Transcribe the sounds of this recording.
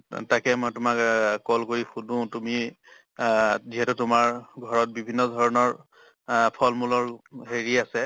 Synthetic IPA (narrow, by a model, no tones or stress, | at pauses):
takɛmɔjtʊmakkɔlkoɹixudʊ̃tʊmi | ziɦɛtutʊmaɹɡʱɔɹɔt̚bibʱinːɔdʱɔɹɔnɔɹ | pʰɔlmulɔɹɦeɹiasɛ